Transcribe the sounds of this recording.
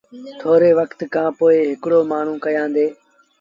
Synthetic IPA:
t̪ʰoːɾeːʋəkt̪kʰãːpoːeːɦɪkɽoːmaːɳ̤ũːkəjãːnd̪eː

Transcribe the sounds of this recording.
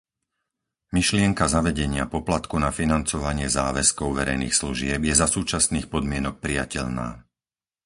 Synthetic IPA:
miʃlɪɛŋkazaʋɛɟɛɲɪapɔplat̪kunafinant͡sɔʋaɲɪɛzaːʋɛskɔʊʋɛɾɛ̰jniːxsluʒɪɛbjɛzasuːt͡ʃasniːxpɔd̪mɪɛnɔk̚pɾija̰cɛʎna̰ː

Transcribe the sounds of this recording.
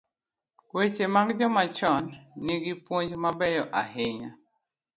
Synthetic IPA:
wet͡ʃemaɡd͡ʒɔmat͡ʃɔnːɪɡɪpwoɲd͡ʒmabɛjɔʔaɦeɲa

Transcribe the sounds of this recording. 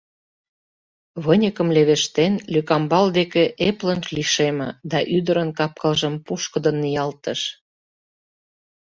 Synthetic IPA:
βənʲəkə̆mleβeʃt̪enlykɑmbɑld̪ekeʔeplənʃliʃemə̆d̪ɑʔyd̪əɾənkɑp̚kəlʒəmpuʃkə̆d̪ə̆nːijɑlt̪əʃ

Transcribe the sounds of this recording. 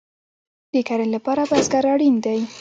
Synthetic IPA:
d̪̥ekaɾalapɑɾabazɡaɾaɽind̪aj

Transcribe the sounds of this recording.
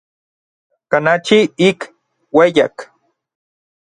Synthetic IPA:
kanat͡ʃiik | wejak

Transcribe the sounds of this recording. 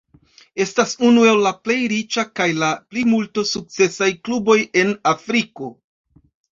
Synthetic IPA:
e̞stasunue̞lːaple̞jɾit͡ʃakajlaplimultosuk̚t͡se̞sajklubo̞je̞nafɾiko̞

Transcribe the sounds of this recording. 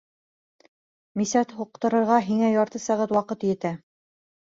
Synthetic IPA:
misæt̪huq̚t̪ɤ̆ɾɤ̆ɾʁɑɦiŋæjɑɾt̪ɤsæʁæt̪wɑqɤt̪jɘ̆t̪æ

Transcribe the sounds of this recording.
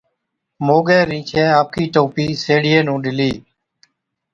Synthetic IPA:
moːɠeːɾĩːt͡ʃʰeːaːp̚kiːʈoːpiːseːɽɪjeːnũːɗɪliː

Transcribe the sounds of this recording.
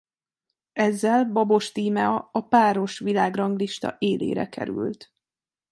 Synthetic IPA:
ɛzːɛlbɒbo̞ʃt̪iːmɛɒɒpaːɾo̞ʃʋilaːɡrɒŋɡliʃt̪ɒ̰ʔeːlḛːɾɛ̰kɛ̰ɾy̰lt̪

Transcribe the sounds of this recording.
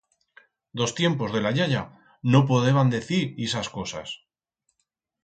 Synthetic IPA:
d̪o̞st̪je̞mpo̞zðe̞laʎaʎa | no̞p̬oðeβand̪e̞θiɾesasko̞sa̰s

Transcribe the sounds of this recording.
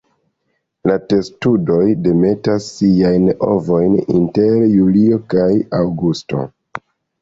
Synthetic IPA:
late̞studo̞jde̞me̞tasːiajno̰vo̞jnḭnte̞ɾjulio̞kajawɡusto̞̰

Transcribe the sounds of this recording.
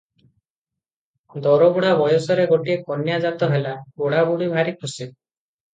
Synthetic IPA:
d̪ɔɾɔbuɽabɔjɔsɔɾeɡoʈiekɔnjad͡ʒat̪ɔɦelaoɽabuɽibʱaɾikʰusi

